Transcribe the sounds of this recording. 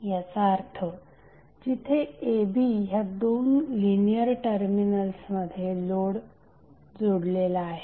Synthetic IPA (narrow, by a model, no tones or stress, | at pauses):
jəsaːɾt̪ʰo | d͡ʑit̪ʰeebiɦjad̪onlinijəɾʈəɾminəlsməd̪ʱjeloɽ | d͡zoɽlelaːɦe